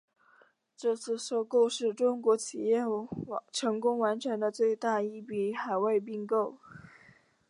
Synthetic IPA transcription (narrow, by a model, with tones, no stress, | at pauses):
ʈ͡ʂɤ˥˧t͡sʰɹ̩˥˩ʂo˥˧ʊko˥˧ʊʂɻ̩˥˩ʈ͡ʂʊ˥ŋkwɔ˧˥t͡ɕʰi˨˩jɛ˥˩ʈ͡ʂʰɤ˧˥ŋkʊ˥ŋwa˧˥nʈ͡ʂʰɛ˧˥nd̪ə˧t͡swe˥˧ɪt̪a˥˧i˥˩pi˧˩xa˨˩ɪwe˥˧ɪp̬i˥˧ŋko˥˩ʊ